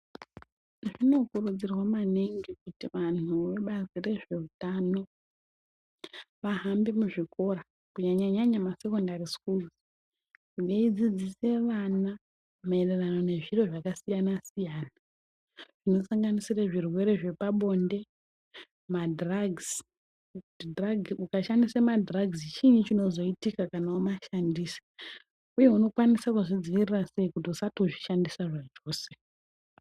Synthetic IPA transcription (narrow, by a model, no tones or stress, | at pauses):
ʐino̞kurud͡zirwamaneŋɡekutiʋanuʋe̞ɓazire̞ʐe̞utano̞ | ʋaɦambe̞muʐiko̞ɾa | kuɲaɲaɲaɲamase̞ko̞ndaɾiskulz | ɡeid͡zid͡zise̞ʋana | maererano̞ne̞ʐiro̞ʐakasijanasijaːna | ʐ̥ino̞saŋɡanisiraʐirwe̞ɾe̞ʐe̞paɓo̞nde̞ | madraɡz | udraɡukaʃandisemadraɡzit͡ʃiɲit͡ʃino̞zo̞itikakanaumaʃandiːsḁ | uje̞uno̞kwanisakuʐid͡zʋirirase̞ikut̬iusatoʐiʃandisaʐad͡ʒo̞ːse̥